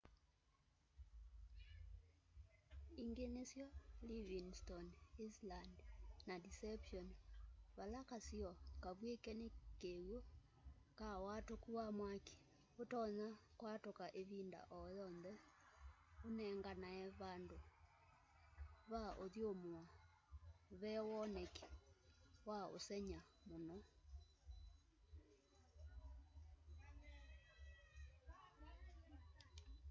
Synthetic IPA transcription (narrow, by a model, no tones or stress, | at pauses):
iŋɡenesjɔliβiŋstɔnislandnadisɛpʃɔnβalakasjɔkaβwekɛnekewo | kawatokuwamwaki̥ | otɔɲakwatokaʔeβinda̰ʔɔjɔnðɛ | onɛŋɡanaɛβando | βaʔoðjomoa | βɛwɔnɛkɛ̥ | wao̰sɛɲamonɔ